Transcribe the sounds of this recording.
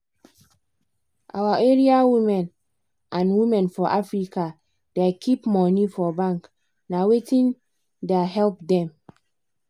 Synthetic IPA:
ʔa̰waʔeɹiawimɛ̃n | ʔãnwimɛ̃nfɔʔafɹika | dekʰipmɔnifɔbãŋk | nawetĩn | deɦɛlp̚dɛ̃m

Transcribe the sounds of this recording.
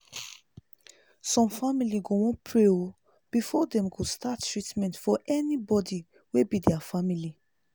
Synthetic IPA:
sɔ̃mfamiliɡowɔ̃npʰɹeo | b̥ifɔdɛ̃mɡostattːɹitmɛ̃ntfɔʔɛnibɔdi | webidɛafamili

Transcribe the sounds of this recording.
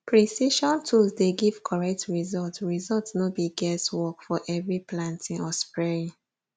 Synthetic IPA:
pʰɹisiʃɔ̃ntʰulzdeɡiv̥kʰɔɹɛk̚tɹizɔltɹizɔltsnobiɡɛstwɔkfɔʔɛvɹiplãntʰĩŋɔspɹɛɹĩ

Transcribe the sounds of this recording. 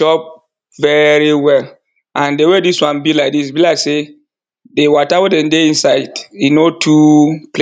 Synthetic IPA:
ʃɔp̚ | vɛɹiwɛl | ãndewediswãnbilaɪk̚disbilase | dewɔtawedɛ̃ndeĩnsaɪdinotʰuple

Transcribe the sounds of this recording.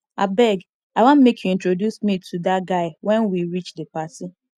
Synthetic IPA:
abɛɡ | aɪwãnmekʰjuĩntɹodjusmitʰudatɡaɪwɛ̃nwiɾit͡ʃdepasi

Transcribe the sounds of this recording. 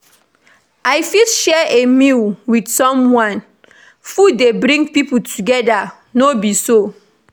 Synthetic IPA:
aɪfitʃɛʔemilwidsɔ̃mwãn | fudebɹĩŋɡpiputʰuɡɛda | nobiso

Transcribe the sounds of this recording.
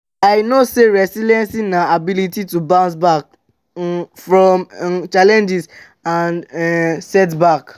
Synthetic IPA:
aɪnoseɾɛsilɛ̃nsinaabilititubãns̬bak̚ | fɾɔ̃mt͡ʃalɛ̃nd͡ʒis | andsɛt̬bak

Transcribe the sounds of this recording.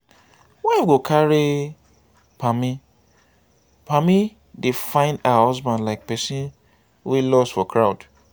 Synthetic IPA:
wɛɡokʰaɾi | pami | pami | defãɪ̃ndaahɔzbãndlaɪk̚pɛsĩn | wilɔsfɔkʰɹaʊd̥

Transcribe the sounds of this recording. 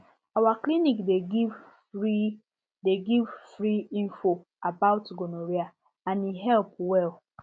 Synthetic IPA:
awaklinikdeɡi | i | deɡivfɹiĩnfo | abaʊtɡonoɹia | ãniɦɛlpwɛl

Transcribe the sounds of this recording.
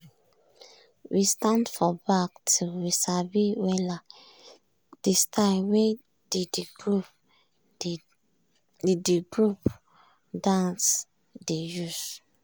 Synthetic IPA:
wʔistãndfɔbak̚tʰuwisabiwɛla | d̥estʰalwe | didɡɹup | idiɡɹup | dãns | dejus

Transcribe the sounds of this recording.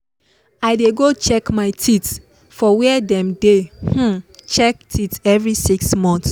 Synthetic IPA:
aɪdeɡot͡ʃɛkmaɪtʰit | fɔwɛɛdɛ̃mdeh̩t͡ʃɛk̚tʰitɛvɹisiksmɔ̃ns

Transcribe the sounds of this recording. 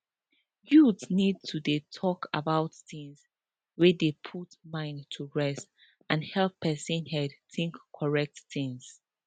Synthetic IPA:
judsnid̚tʰudetʰɔka̰baʊtθɪ̃ŋz | wɛdepʰutmãɪ̃ntʰuɹɛst | ãnhɛlˠpʰːɛsə̃nhɛdθɪ̃ŋkʰːɔɹɛk̚tθɪ̃ŋz̥

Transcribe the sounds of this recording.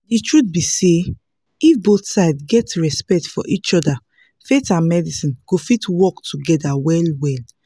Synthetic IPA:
ditɹut̪̚bise | ifbotsaɪdɡɛtɹɛspɛk̚tfɔ̰ʔit͡ʃɔda | fetãnmɛdisĩnɡ̥ofitwɔktʰuɡɛdawɛlwɛl

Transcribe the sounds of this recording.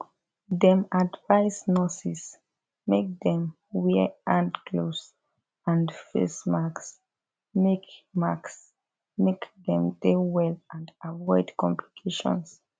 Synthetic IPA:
ðɛ̃madvaɪsnɔsis | mek̚dɛ̃m | wɛʔãndkʰlos | ãndfḛsmaks | mekmaks | mekðɛ̃mdewɛlãndavɔɪdkɔ̃mplikʰeʃɔ̰̃ns

